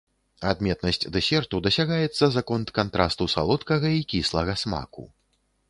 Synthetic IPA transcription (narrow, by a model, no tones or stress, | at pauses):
ad̪mʲɛt̪nɐsʲt͡sʲd̪ɛsʲɛrt̪ud̪ɐsʲaɣajɛt̪sːɐzakɔnt̪kant̪ɾa̰st̪usa̰lˠɔt̪kɐɣɐikʲislˠɐɣɐsma̰kṵ